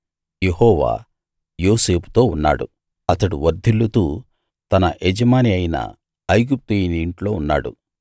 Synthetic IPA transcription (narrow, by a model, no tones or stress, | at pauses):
je̞hɔːʋa̰ː | jo̞ːse̞ːpu̥t̪o̞ːunːa̰ːɽṵ | ɐt̪ɐɽuʋɐɾd̪ʱilːut̪uː | t̪ɐnɐʔed͡ʒɐmaːniɐjinɐ̰ | ɐjɡup̚t̪ɐjiniiɳʈlo̞ːunːa̰ːɽṵ